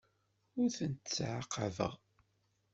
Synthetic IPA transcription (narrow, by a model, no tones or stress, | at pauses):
ʊɾθənt̪t͡sːʕaqːəvə̰ʁ